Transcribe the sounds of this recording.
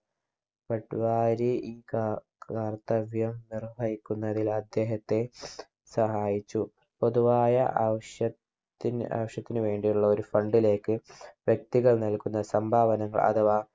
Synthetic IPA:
pɐʈːʋaːɾiiː | aːrt̪ɐʋjɐmnirbʱɐjikʲːunːɐðilɐd̪ːe̞ːɦɐt̪ːe̞ | sɐɦaːjit͡ɕːu | po̞ðuʋaːjɐ̰ʔaʋɐʂjɐtː | ina̰ʋɐʂjɐt̪ːinɨʋe̞ːɳɖijuɭːɐo̞ɾufɐɳɖile̞ːkːɨʋjɐk̚t̪iɣɐɭnɐlkun̪ːɐsɐmbʱaːʋɐnɐŋːɐ̰ɭɐ̰ðɐʋaː

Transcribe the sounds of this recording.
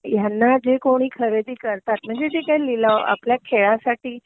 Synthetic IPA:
janːad͡ʑekoɽ̃iːkʰəɾed̪iːkəɾt̪at̪̚m̤əɳd͡zed͡zekaililaa̰pljakʰeɭasaʈiː

